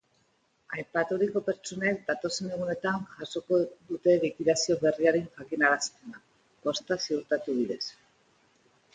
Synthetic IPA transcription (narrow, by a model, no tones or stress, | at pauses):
ajpat̪uɾiko̞pe̞ɾt͡ʃone̞k̚d̪at̪o̞se̞ne̞ɣ̞une̞t̪aŋʝaso̞ko̞ðut̪e̞βikiðasio̞βe̞riaɾeŋʝakinaɾast̪ena | po̞st̪asiuɾt̪at̪uβiðe̞s